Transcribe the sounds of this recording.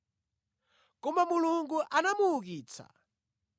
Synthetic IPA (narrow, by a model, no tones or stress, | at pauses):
kɔmamuluŋɡuʔanamuːkiːt͡sʰa̰